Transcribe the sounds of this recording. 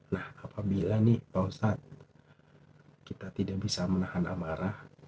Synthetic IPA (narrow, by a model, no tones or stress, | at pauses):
nahapabilanipausat̪̚ | kit̪at̪idak̚bisamənahana̰maɾah